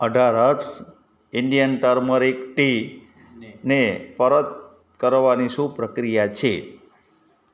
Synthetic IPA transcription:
əɖʱaɾəɾʈs | ɪɳɖijənʈəɾməɾekʈi | nepəɾət̪̚ | kəɾʋaniʃupɾəkɾijat͡ʃʰe

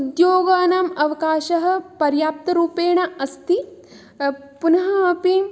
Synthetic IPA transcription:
d̪joːɡaːnɐmɐʋɐkaːʃɐɦɐ̆pɐɾjaːp̚t̪ɐɾuːpeːɳɐɐst̪i | punɐɦɐɐpi

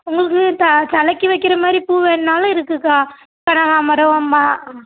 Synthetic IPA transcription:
ʊŋɡɐɭɯkːɯt̪ɐt̪ɐlɐkːɯʋɐɪkːɪɾɐmaːd̪ɾipuːʋeːɳnaːlʊ̃ɪɾɯkːɯkːaː | kɐɳɐɣaːmɐɾɐʋɐmːaː

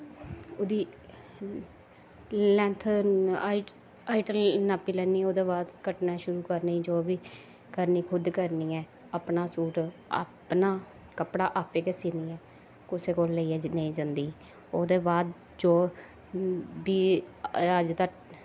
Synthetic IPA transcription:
od̪iː | lɛ̃ːnt̪ʰː | aːiʈəlnaːpːiːlɛːniːoːd̪eːbaːd̪kəʈnaːʃʊɾuːkəɾniːd͡ʒoːbiː | kəɾniːkʰʊd̪kəɾniːɛː | əpnaːsuːɾa̰pnaː | kəpɽaːʔaːpeːkesiːniːɛː | kʊseːkoːlːeiɛːneĩːd͡ʒãːnd̪iː | oːd̪eːbaːd̪̚ | d͡ʒoː | biː | əd͡ʒd̪a

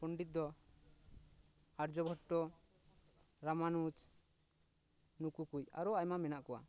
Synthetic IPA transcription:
pɔɳɖit̪̚d̪ɔ | aɾd͡ʒɔbʱɔʈːɔ | ɾamanut͡ʃ | nukukuca̰ɾɔajmamɛnaʔkɔwa̰

